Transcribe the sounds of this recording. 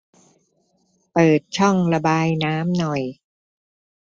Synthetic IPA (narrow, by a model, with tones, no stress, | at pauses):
pɤː˨˩t̪̚t͡ɕʰɔ˥˩ŋɾa˧baː˧jnaː˦˥mnɔ˨˩j